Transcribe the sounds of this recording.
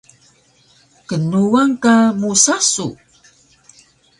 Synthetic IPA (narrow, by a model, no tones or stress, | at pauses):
kənuaŋkamusasṵ